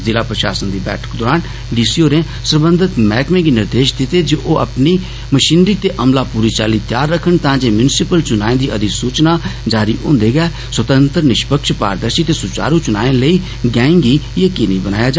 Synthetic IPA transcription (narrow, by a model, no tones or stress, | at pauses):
zɪlaːpɾəʃa̰ːsənd̪iːbɛ̰ːʈʰə̥kd̪ɔːɾaːn | ɖiːsiːoːɾẽː | səɾbə̃nd̪ʱət̪mɛːkmẽːɡinɪɾd̪eːʃd̪ɪt̪eːd͡ʒeːʔoːə̰pniː | məʃiːnɾiːt̪eːʔəmlaːpuːɾiːt͡ʃaːliːt̪jaːɾːəkʰːənt̪ãːd͡ʒeːmjʊnɪsɪpəlt͡ʃʊnaːẽːd̪iːʔəd̪ɪsuːt͡ʃnaːd͡ʒaːɾiːʔʊ̰̃ːnd̪eːɡɛː | swət̪ə̃nt̪ɾnɪʃpəkʃpa̰ːɾd̪əɾʃiːt̪eːsʊt͡ʃa̰ːɾuːt͡ʃʊna̰ːẽləiː | ɡɛ̃ːŋɡiːjeːkɪniːbəna̰ːjaːd͡ʒa